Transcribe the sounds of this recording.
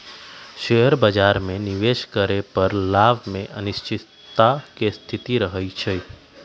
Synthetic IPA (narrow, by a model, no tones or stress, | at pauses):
ʃejəɾbəd͡ʒaɾmẽniʋeʃkəɾepəɾlaʋmẽʔənɪʃt͡ʃɪ | t̪akest̪ʰit̪iɾəɦəjt͡ʃʰe